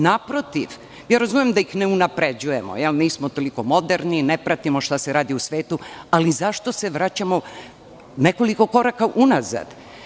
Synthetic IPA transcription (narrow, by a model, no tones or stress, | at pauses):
napɾot̪iʋ | jaːɾazumemd̪aixneunapɾe̞d͡ʑuje̞mo̰jɛlniːsmot̪o̞liko̞mo̞d̪eɾninepɾat̪imo̞ʃt̪ase̞ɾaːd̪iusʋeːt̪ualizaʃt̪o̞se̞ʋɾat͡ɕamo | ne̞ko̞liko̞ko̞ɾakaʔunaza̰d̪̥